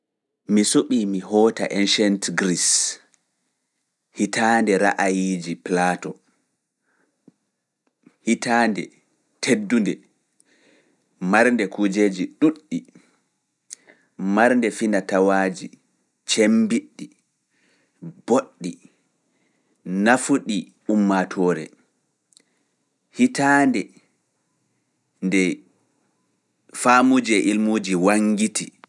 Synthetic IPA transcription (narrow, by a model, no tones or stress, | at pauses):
misoɓiːmiɦɔːta̰ʔɛnʃɛntɡɾis | hitaːndɛɾaʔajid͡ʒiplaːtɔ | hitandɛ | tʰedːundɛ | maɾndɛkud͡ʒeːd͡ʒiɗuɗːi | maɾndɛfinatawaːd͡ʒi | t͡ʃembiɗːi | b̥oɗːi | nafuɗi | umːatʰɔːɾɛ̰ | hitaːndɛ | ndɛ | famud͡ʒɛʔilmuːd͡ʒiwaŋɡiti